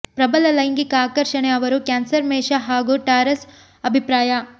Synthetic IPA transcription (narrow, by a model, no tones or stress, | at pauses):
pɾɐbɐlɐlɐjnɡikɐaːkɐɾʃɐɳeɐʋɐɾukaːnsɐɾmeːʃɐɦaːɡuʈaːɾɐs | ɐbʱipɾaːja